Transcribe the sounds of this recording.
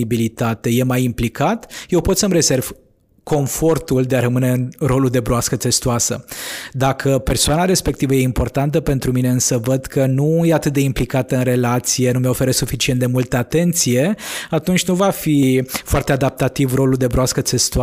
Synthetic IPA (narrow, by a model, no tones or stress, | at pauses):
ibilit̪at̪e̞je̞majimplikat̪je̞wpo̞t̪səmɾe̞ze̞rv̥ | ko̞ɱfo̞rt̪uld̪e̞aɾəmɨne̞ɨnro̞luld̪e̞bɾoaskət̪e̞st̪oasə̰d̪akʰəpe̞rsoanaɾe̞spe̞k̚t̪ivəje̞impo̞rt̪ant̪əpe̞nt̪ɾumine̞ɨnsəvəd̪kʰənuje̞at̪ɨt̪̚d̪e̞implikat̪əɨnre̞lat̪sije̞numeo̞fe̞ɾəsufit͡ʃient̪̚d̪e̞mult̪əat̪e̞nt̪sije̞at̪unt͡ʃʲnuvafifoart̪e̞ad̪ap̚t̪at̪ivro̞luld̪e̞bɾoaskət̪se̞st̪ua